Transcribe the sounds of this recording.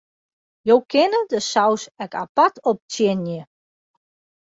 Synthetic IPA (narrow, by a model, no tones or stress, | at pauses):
jowkʰɪnədəsawsɛka̰patʰɔp̚tjɪnjə